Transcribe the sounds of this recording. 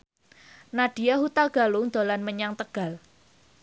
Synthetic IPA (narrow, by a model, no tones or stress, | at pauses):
nad̥i̤aɦut̪alɡ̥a̤lʊŋd̪̥o̤lanməɲaŋt̪əɡ̥a̤l